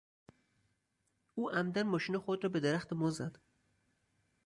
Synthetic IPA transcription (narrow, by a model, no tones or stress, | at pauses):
uːʔæmd̪æɾmɒʃinɒxod̪ɾɒːbed̪eɾæxt̪emɔzæd̪̥